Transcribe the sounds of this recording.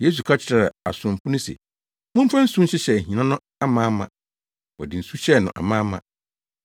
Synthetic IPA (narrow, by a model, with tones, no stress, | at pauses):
je˦s̬u˨kʰa˦t͡ɕʰɪ˨ɾa˨a̰˨sʊ̃˨m˨pʰʊ˦nʊ̃˦sḛ˨ | mʊ̃˦m̩˦fã˦n̩˦sũ˦ɕɪ˦ɕɛ˨ɦĩ˨nã˦nʊ̃˦ | a˦mãː˦mã˨ | wɔ̰˨dɪ˨n̩˨su˦ɕɛ˦˨nʊ̃˨ʔa̰˨mã˦mã̰˨